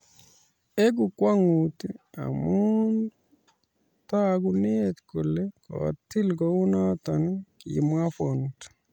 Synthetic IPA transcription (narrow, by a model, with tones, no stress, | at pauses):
e˦ɡu˨kwa˦ŋu˨t̪ia̰˨mun | ta˦ɡunet̪ko˨le˦kɔ̰˨t̪ːi˦lɡɔu˦nɔ˦t̪ɔ˨nkḭ˨ma˦fo˨nt